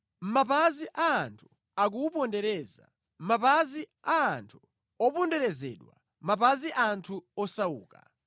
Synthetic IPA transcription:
m̩mapaziʔaːntʰu̥ | ak̬uːpɔndɛɾɛza̰ | m̩mapaziaːntʰu̥ | ɔpundɛɾɛzɛ̰ɗwa̰ | mapaziʔantʰuɔsaṵːka̰

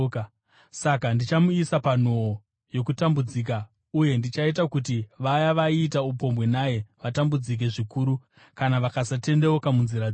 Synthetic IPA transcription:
sakandit͡ʃamuisapan̤o̞o | jo̞kutambud͡ziːk̬a | uje̞ndit͡ʃait̬akutiʋajaʋaiːtaup̬o̞mbwe̞naje̞ʋatambud͡zik̬e̞ʐikuːɾu | kanaʋakasate̞ndeokamunziɾa

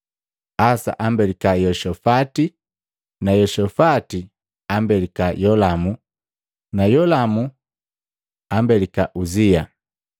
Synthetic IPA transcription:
asa̰ʔambɛlikajɔʃɔfati | najɔʃɔfati | ambɛlikajɔlamu | najɔlamu | ambɛlikaʔuzia

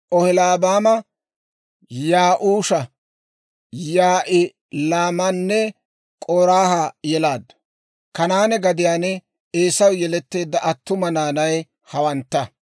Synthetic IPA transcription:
ʔɔhɪlaːbaːmɐ | jaːʔuːʃɐ | jaːʔɪ | laːmɐnːɛ | kʼoːɾaːhajɛlaːd̪ːɐ̥ | kɐnaːnɛɡɐd̪ɪjaːnɛ | eːsɐwjɛlɛt̪ːe̞ːd̪ːɐʔɐt̪ːʊmɐnaːnɐj | hɐwɐnt̪ːɐ

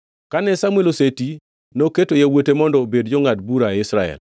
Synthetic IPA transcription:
kanɛsamweloseti | noketojawotemɔndɔbedd͡ʒoŋatbuɾaɪsɾaɛ̰l

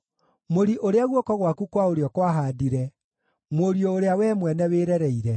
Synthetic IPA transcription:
moɾiʔoɾeaɣwɔkɔɣwakukwaoɾeɔkwaɦaːdiɾɛ | moɾiɔoɾeawɛmwɛnɛweɾɛɾɛiɾɛ

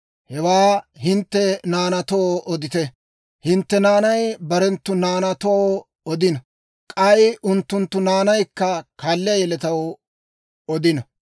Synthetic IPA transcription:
hɛwaːɦɪnt̪ːɛnaːnɐt̪oːʔɔd̪ɪt̪ɛ | hɪnt̪ːɛnaːnɐjbɐɾɛnt̪ːʊnaːnɐt̪o | ɔd̪ɪnɐ | kʼɐjʔʊnt̪ːʊnt̪ːʊnaːnɐjkːɐkʰaːlːɪjɐjɛlɛt̪ɐw | ɔd̪ɪnɐ

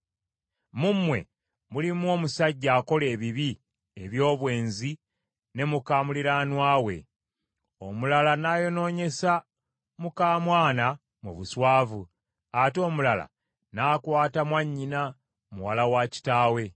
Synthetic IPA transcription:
mumwe̞̰ | mulimwo̞ːmusaɟːaːko̞le̞ːβiβi | e̞βjo̞ːβwe̞ːnzi | ne̞mukaːmuliɾanwaːwe̞̰ | o̞mulalanajo̞no̞ːɲe̞sa | mukaːmwaːna | muβuswaːvu | ato̞ːmulala̰ | naːkwaːtamwaɲːina | muwalawaːci̥taːwe̞

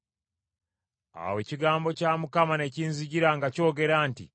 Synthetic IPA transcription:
a̰we̞ːciɡaːmbo̞caːmukamane̞ciːnziɟiɾaŋɡaco̞ːɡe̞ɾaːntḭ

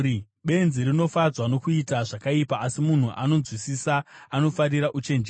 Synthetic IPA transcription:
ɓe̞nziɾino̞fad͡zwano̞kuitaʐakaipaːsimun̤uʔano̞d͡zzwisisaːno̞faɾiɾaʔut͡ʃe̞nd͡ʒe

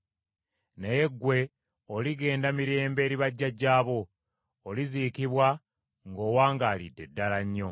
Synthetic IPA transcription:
neje̞ɡːwe̞ | oliɡe̞ːndamiɾe̞ːmbe̞ːɾiβaɟːaɟaːβo̞ː | liziːkiβwa | ŋɡo̞ːwaːŋɡaːlḭdːe̞dːalaɲːo̞

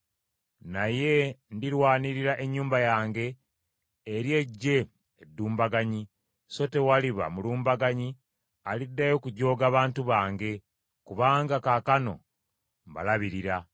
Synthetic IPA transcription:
naje̞ndiɾwaːniɾiɾaʔeɲːuːmbajaːŋɡe̞ː | ɾje̞ɟːe̞ | edːuːmbaɡaɲi | so̞te̞waliβa̰muluːmbaɡaɲi | alidːajo̞kuɟo̞ːɡaːβaːntuβaːŋɡe̞ | kuβaːŋɡakakano̞ | mba̰laβiɾiɾa

